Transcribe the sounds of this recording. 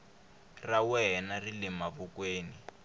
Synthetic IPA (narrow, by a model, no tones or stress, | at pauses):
rawɛnarilɛmaβukweːni